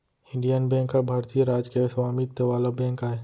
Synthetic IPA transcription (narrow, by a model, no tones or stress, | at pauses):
ɪ̃ɳɖijənbɛ̃ŋkːabʱaːɾt̪ijəɾaːd͡ʒkesɐʋaːmit̪ːeʋaːlabɛ̃ːŋkaːɦe